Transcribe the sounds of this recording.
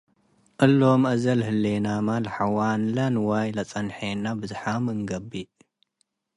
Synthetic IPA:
ʔɨlːomʔɐzɐlhɨlːenamalħawanlɐnwajlɐt͡sʼɐnħenabɨzħamɨŋɡɐbi

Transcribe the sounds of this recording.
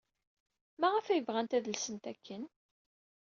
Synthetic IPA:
mæʁæfæjəvʁænt̪æðəlsənt̪ækːən

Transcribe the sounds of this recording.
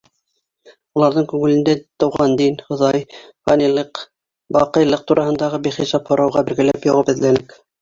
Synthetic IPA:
ulˠɑɾðɤɴkʉŋɘ̆lɘ̆nd̪æt̪ɤ̆wʁɑnd̪inhɤ̆ðɑj | fɑnilˠɤq | bɑqɤ̆jlˠɤq̚t̪uɾʔɑhɤ̆nd̪ɑʁɤbiχisɑphŏɾʔɑwʁɑbɘ̆ɾɡælæpjoʁɤpɘ̆ðlænɘk

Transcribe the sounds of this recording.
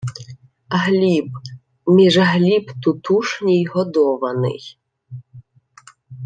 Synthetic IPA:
ɦlʲib | mʲiʒɐɦlʲibt̪ʊt̪uʂnʲijɦɔd̪ɔʋɐnɪ̰j

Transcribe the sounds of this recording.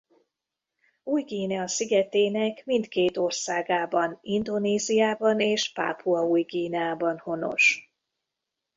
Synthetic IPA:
uːjɡiːnɛɒsiɡɛt̪eːnɛkmint̪keːt̪o̞rsaːɡaːbɒnind̪oneːzijaːbɒneːʃpa̰ːpʰuɒuːjɡiːnɛaːbɒnho̞no̞̰ʃ

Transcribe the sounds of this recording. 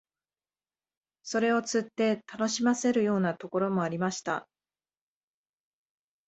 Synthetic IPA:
so̞ɾe̞o̞t͡sɨt̪ːe̞t̪ano̞ɕimase̞ɾɯ̟jo̞ːnat̪o̞ko̞ɾo̞mo̞aɾʲimaɕi̥t̪a̰

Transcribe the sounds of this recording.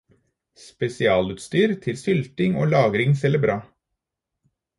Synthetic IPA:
spɛsɪɑːlʉːt̪st̪yːɾt̪ʰɪlsʏlt̪ɪŋo̰ːlɑːɡɾɪŋsɛləbɾɑː

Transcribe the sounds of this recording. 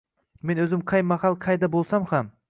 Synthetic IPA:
me̞nɵzɪmqʰɑjmɑhɑlˠqʰɑjd̪abolˠsamham

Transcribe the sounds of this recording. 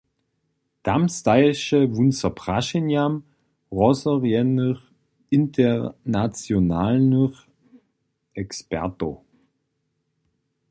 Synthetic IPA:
d̥amstaɪʃəvunsɐpʁ̥aʃinjam | ʁɔsəʁjɛnəʁ | ɪntʰənat͡sjonaːlnəʁ | ʔɛkspɛ̰ʁto

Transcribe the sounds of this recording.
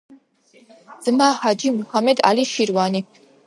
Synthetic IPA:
z̥ɨmaːhad͡ʒimuhamɛd̪a̰liʃirwaːni

